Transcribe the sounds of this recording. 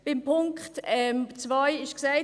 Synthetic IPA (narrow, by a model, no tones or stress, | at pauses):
b̥ɪmpʰʊŋkχtɛmt͡svajɪʃksaɪ